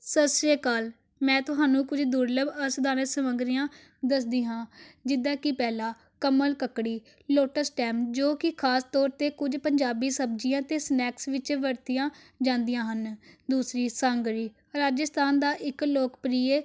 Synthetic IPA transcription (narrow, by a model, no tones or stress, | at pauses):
səseːkaːl | mɛ̃ːt̪ʊɦaːnũːkʊd͡ʒd̪uːɾləbəsd̪aːnəsəməŋɡɾijãː | d̪əsd̪iːɦãːd͡ʒɪd̪ãːkɪpɛːlaː | kəməlkəkɽiː | loːʈəsʈɛːmd͡ʒoːkɪkʰaːst̪ɔːɾt̪eːkʊd͡ʒpəɲd͡ʒaːbiːsəb̚d͡ʒɪjãːt̪eːsnɛːksʋɪt͡ʃʋəɾt̪ijãː | d͡ʒãːnd̪ijãːɦənd̪uːsɾiːsãːŋɡɾiː | ɾaːd͡ʒəst̪aːnd̪aːʔɪkloːkpɾiːeː